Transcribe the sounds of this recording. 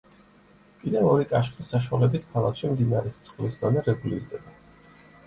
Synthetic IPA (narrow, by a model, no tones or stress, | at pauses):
kʼid̪ɛvɔɾikʼaʃχisaʃ̬walɛbit̪ʰkʰalˠakʃimd̪inaɾɛst̪sʼqʼlisd̪anɛɾɛɡulḭɾd̪ɛba